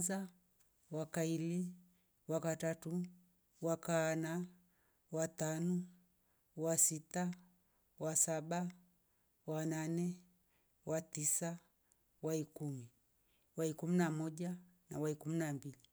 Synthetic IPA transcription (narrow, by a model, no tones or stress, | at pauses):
za | wakaili | wakatatu | wakana | watanɔ | wasita | wasaɓa | wananɛ | watisa | waikumi | waikuminamɔʄa | nawaikuminambili